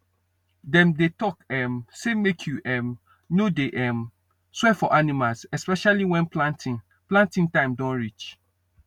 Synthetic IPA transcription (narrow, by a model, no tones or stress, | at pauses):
dɛ̃mdetɔkɛmsemekʰjuʔɛm | nodeʔɛm | swɛfɔʔanimalsɛspɛʃaliwɛ̃nplãntĩn | plãntĩŋtãɪ̃mdɔ̃nɹit͡ʃ